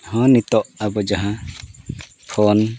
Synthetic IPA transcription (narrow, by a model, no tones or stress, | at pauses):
hɔ̃nit̪ɔʔabɔd͡ʒaɦã | pʰɔn